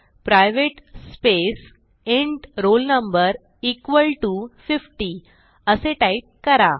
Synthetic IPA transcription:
pɾajʋeʈspes | eɳʈɾolnəmbəɾ | ikʋəlʈufifʈi | əseʈaip̚kəɾa

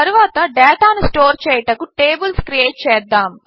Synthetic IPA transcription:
ɐɾuʋaːt̪ɐɖɛːʈaːnisʈoːɾt͡ʃɛːjʈɐkuʈeːbɐlskɾieːʈ̚t͡ʃɛːd̪ːaːm

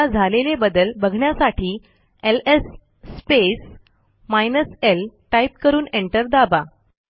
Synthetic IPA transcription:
ad͡zʱalelebəd̪əlbəɡʱɳjasaʈʰiː | elesː | pes | majnəselʈaip̚kəɾuːneɳʈəɾd̪aba

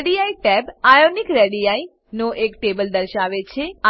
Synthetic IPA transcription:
ɖijaiʈɛbajonikɾeɽijai | noʔekʈebəld̪əɾʃaʋet͡ʃʰea

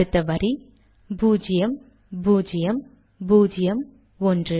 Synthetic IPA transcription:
ɯt̪ːɐʋɐɾi | buːd͡ʒɪjɐm | buːd͡ʒɪjɐm | buːd͡ʒɪjɐm | ɔndrɯ

